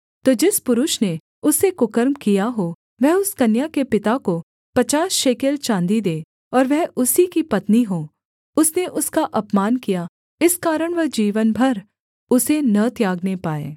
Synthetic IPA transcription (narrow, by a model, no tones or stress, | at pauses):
t̪oːd͡ʒɪspʊɾʊʃne | ʊsekʊkəɾmkijaɦo | ʋɛɦʊskɐnjakepɪt̪ako | pɐt͡ʃaːsʃeːkelt͡ʃãːnd̪id̪eː | ɔːɾʋɛɦʊsikipɐt̪niɦoː | ʊsneʔʊskaʔɐpmaːnkija | ɪskaːɾəɽ̃ʋɛɦd͡ʒiːʋənbʱɐɾ | ʊsenɐt̪jaːɡnepaːḛː